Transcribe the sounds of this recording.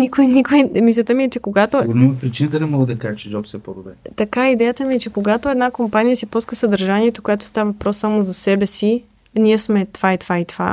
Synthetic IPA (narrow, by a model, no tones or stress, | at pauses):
nikoinikoimislʲət̪əmiɛt͡ʃɛkoɡat̪oɡonimɐpɾit͡ʃinət̪ənɛmɔɡəd̪ɐkaʒɛt͡ʃɛd͡ʒ̪ɔt̪sɛpod̪obɛt̪ɐkaid̪ɛjət̪əmiɛt͡ʃɛkoɡat̪oɛd̪nakompanijəsipuskəsɐd̪ɐɾʒaniɛt̪okojat̪o̥st̪avəvɐpɾɔsːamozɐsɛbɛsi | niɛsmɛt̪vait̪vait̪v̥a̰